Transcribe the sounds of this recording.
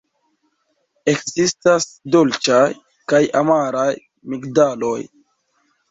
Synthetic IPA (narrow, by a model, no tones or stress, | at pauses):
e̞kzistasdolt͡ʃaj | kajamaɾaj | mikdalo̞j